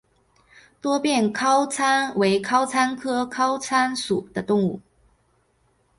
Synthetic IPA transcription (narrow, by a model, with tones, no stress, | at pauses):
t̪wɔ˥pjɛ˥˩nkʰɑ˥ʊt͡sʰa˥nwe˧˥ɪkʰɑ˥ʊt͡sʰa˥nkʰɤ˥kʰɑ˥ʊt͡sʰa˥nsu˨˩d̪̥ə˦t̪ʊ˥˧ŋu˥˩